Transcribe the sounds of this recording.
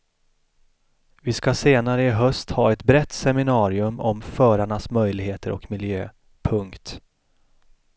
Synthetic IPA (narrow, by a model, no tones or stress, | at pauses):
vɪskaseːnaɾəɪɦœst̪hɑːɛt̪bɾɛt̪ːsɛmɪnɑːɾɪɵmɔmfœːɾaɳasmœjlɪɡheːt̪ʰəɾɔ̰kmɪljø̰ː | pʰɵŋkt̪